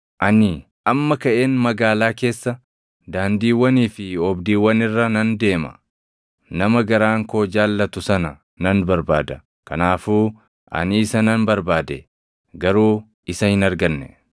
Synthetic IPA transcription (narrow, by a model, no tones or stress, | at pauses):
ʔɐnɪ | ʔɐmːɐkɐʔe̞ːnmɐɡaːlaːke̞ːsːɐ | d̪aːnd̪iːwːɐniːfɪɔbd̪iːwːɐnɪrːɐnɐnd̪e̞ːmɐ̥̰ | nɐmɐɡɐɾaːŋko̞ːd͡ʒaːlːɐt̪ʊsɐnɐ | nɐnbɐɾba̰ːd̪ɐ | kɐnaːfuː | ʔɐ̰nɪɪsɐnɐnbɐɾbaːd̪ɛ | ɡɐɾuː | ɪsɐhɪnɐɾɡɐnːɛ̰